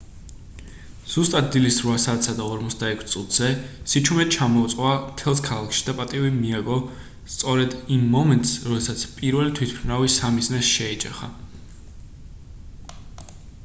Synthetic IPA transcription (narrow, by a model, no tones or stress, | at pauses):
z̥ust̪ʼat̪̚d̪ilisɾvasaːt̪ʰsad̪aɔɾmɔt̪sʰd̪aɛkʷʰst̪sʼut̪ʰz̥ɛsit͡ʃʰumɛt̪̚t͡ʃʰamɔːt̪sʼwamt̪ʰɛlˠs̬kʰalˠakʰʃi̥d̪apʼat̪ʼivimiaɡɔ | st̪sʼɔɾɛd̪imːɔmɛnt̪ʼsɾɔd̪ɛsat̪sʰpʼiɾvɛlit̪ʰwit̪̚ʰpʰɾnavisamiznɛsʃɛɛt͡ʃʼɛ̰χa̰